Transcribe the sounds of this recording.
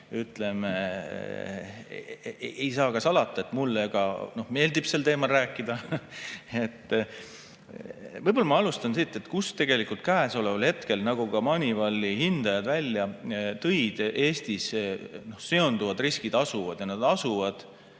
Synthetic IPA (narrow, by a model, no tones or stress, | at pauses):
yt̪ːˑle̞me | ejsɑːkɑsɑlɑt̪ˑːɑet̪ːˑmulːeɡ̥ɑ̰no̞hme̞ːld̪ib̥se̞lt̪e̞ːmɑlræːkːˑid̪̥ɑ | e̞t̪ː | vɤjbo̞lːɑmɑɑlust̪ɑnsit̪ːˑe̞t̪kust̪e̞ɡ̥e̞likult̪̚kæːso̞levɑlhe̞t̪ke̞lnɑɡ̥ukɑmɑnʲivɑlːihind̪̥ɑjɑd̪̥vælʲːjɑt̪ɤjd̪̥e̞ːst̪isno̞hse̞o̞nd̪uvɑd̪riskid̪ɑsuvɑd̪̥jɑnɑd̪̥ɑsuvɑd̪̥